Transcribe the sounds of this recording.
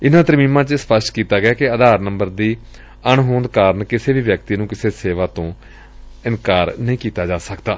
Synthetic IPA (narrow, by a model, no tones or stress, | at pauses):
ɪnãːt̪əɾmĩːmãːt͡ʃəspəsʈkiːt̪aːɡɪaːkɪəd̪aːɾnəmbəɾd̪iː | əɳɦõːnd̪kaːɾəɳkɪseːʋiːʋjək̚t̪iːnũːkɪseːseːʋaːt̪õː | ɪnkaːɾnəĩːkiːt̪aːd͡ʒaːsəkd̪a̰ː